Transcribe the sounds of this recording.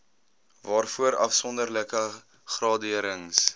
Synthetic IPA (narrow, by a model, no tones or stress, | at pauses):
vɑːrfuəɾɐ̰fsɔndərləkə | χrɑːdiəɾəŋs